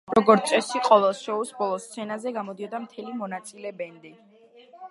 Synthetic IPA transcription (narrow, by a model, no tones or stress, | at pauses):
ɾɔɡɔɾt̪sʼɛsiqʼɔvɛlˠʃɛusbɔlˠɔst̪sʰɛnazɛɡamɔd̪iɔd̪amt̪ʰɛlimɔnat̪sʼilɛbɛnd̪i